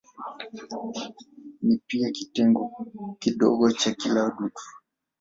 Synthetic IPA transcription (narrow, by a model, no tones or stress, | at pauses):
nipiakitɛŋɡɔkiɗɔ̰ɠɔt͡ʃakilauɗutʰu̥